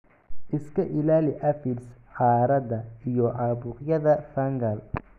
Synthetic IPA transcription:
ʔɪskʰɐʔɪlaːlɪʔɐfɪls | ħɑːɾɐd̪ɐijɔʔaːbʊːqjɐðɐfɐŋɡɐl

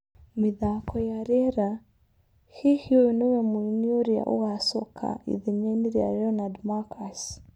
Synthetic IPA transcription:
miðakɔjaɾɛɾa | hihiɔinɛwɛmuiniɔɾja̰ʔṵɣasɔkʰa̰ḭðimɛniɾia̰ɾɛɔnadmakʰas

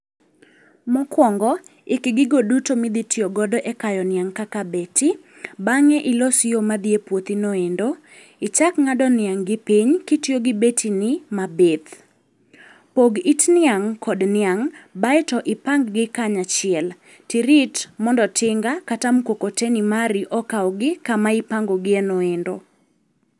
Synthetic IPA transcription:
mɔkwɔŋɡɔɪkɡɪɡodutomɪd̪itʰjoɡɔdɔʔɛkajɔnɪaŋkakabeti | baŋɛʔɪlosjomad̪iepwot̪inoendo | ɪt͡ʃakŋadɔnɪaŋɡɪpiɲkitjoɡɪbetʰinɪmabet̪ | poɡitnɪaŋkʰɔdnɪaŋbaɛtɔʔɪpaŋɡɡɪkaɲat͡ʃɪɛl | tiɾitmɔndɔtʰɪŋɡakatamkokotenimaɾiʔɔkaɔɡɪkamaipaŋɡoɡɪɛnoendo̰

